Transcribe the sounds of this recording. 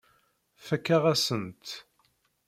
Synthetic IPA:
fəkːaʁæsənt̪

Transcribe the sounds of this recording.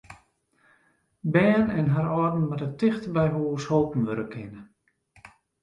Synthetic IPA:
bɛːnɛnɦaɾɔrdn̩matətɪxtəbɛjɦuːshoːpn̩ʋøɾəkʰɪnə

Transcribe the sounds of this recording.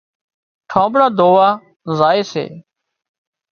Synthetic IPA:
ʈʰãːbɽaːd̪ʱoːʋaː | zaːeːsḛː

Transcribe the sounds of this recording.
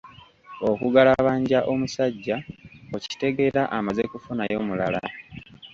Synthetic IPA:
o̞kuɡalaβaːɲɟaʔo̞musaɟːaoci̥te̞ɡe̞ɾaʔamazekufunajo̞ːmulala̰

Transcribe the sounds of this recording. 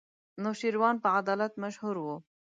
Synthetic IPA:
noʃiɾwɑːnpəʕad̪ɑːlat̪maʃhuɾwu

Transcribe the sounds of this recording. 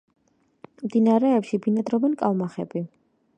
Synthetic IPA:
md̪inaɾɛːpʃibinad̪ɾɔbɛnkʼalˠmaχɛ̰bi

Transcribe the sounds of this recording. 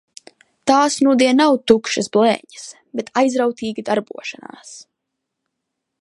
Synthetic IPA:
t̪aːsnud̪iɛnawt̪ukʃɐsblɛ̰ːɲɐs | bet̪ʰajzɾawt̪iːɡid̪aɾbuɔʃana̰ːs

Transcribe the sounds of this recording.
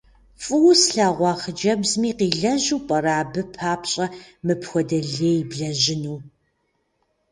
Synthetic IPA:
fʼɨwsɬaːʁʷɑːχəd͡ʒɐbzmiːqiːɮɐʑuːpʼɐraːbɨpʰaːpɕʼɐmɨpxʷɔdɐɮeːjbɮɐʑɪnuː

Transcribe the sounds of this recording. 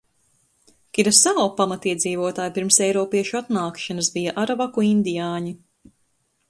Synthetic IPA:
kʲiɾasawpamat̪iɛziːvuɔt̪aːjpiɾmsɛjɾɔːpiɛʃuat̪naːkʃanɐsbijaʔaɾavakuind̪ijaːɲi

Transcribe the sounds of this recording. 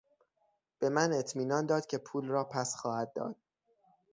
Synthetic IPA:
b̥e̞mæne̞t̪ʰmiːnɒːnd̪ɒːd̪̥cʰe̞pʰuːlrɒːpʰæsxɒːhæd̪̚ːɒ̰ːd̪̥̚

